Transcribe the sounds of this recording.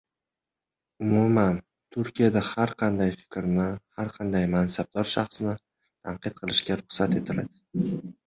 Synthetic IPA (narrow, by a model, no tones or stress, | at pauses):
ʊmʊman | t̪ʰʊɾkʲijad̪ahaɾqʰɑnd̪ajfɪ̥kʲɾnɪhaɾqʰɑnd̪ajmansab̚d̪ɒɾʃɑχsnɪ | t̪ʰaɴqɨt̪̚qʰɨlˠɪʃkʲaɾʊχsat̪e̞t̪ʰɪla̰d̪ɪ̥